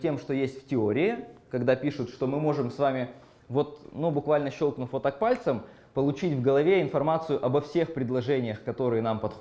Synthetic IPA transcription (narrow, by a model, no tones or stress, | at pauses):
tʲe̞mʂt̪ojesʲtʲftʲɪoɾʲɪɪkɐɡd̪apʲiʂʊt̪ʂt̪o̞mɨmo̞ʐɨmsvamʲɪ | vo̞t̪̚nubʊkvalʲnəɕːo̞lˠknʊfot̪ak̚palʲt̪səm | pəlˠʊt͡ɕitʲvɡəlˠɐvʲeɪnfɐrmat̪sɨjʊʔɐbɐfsʲe̞xpɾʲɪd̪lˠɐʐɛnʲɪjəxkɐt̪o̞ɾɨjənampɐt̪x